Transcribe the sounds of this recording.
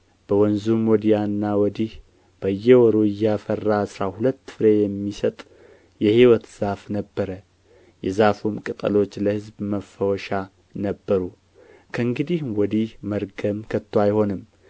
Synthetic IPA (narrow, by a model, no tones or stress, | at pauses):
b̥əwɔnzumwɔd̪ijanːawɔd̪ih | b̥əjːɛwɔɾoɪjːafərːaːsɾahulət̪ːfɨɾejɛmːisət̪ʼ | jɛhiwɔt̪z̥afnəbːəɾə | jɛzafumkʼɨt̪ʼə̰lo̞t͡ʃːləhɨzbməfəwɔʃa | nəbːəɾu | kʰəɨŋɡɨd̪ihwɔd̪ihməɾɡəmkʰət̪ʰːwajhonɨmː